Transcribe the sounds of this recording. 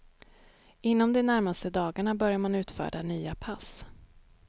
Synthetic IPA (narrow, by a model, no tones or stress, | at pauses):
ɪnːɔmd̪ɛnæɾmast̪əd̪ɑːɡaɳabœɾjamanʉ̟ːt̪fœ̰ːɖanyːapʰas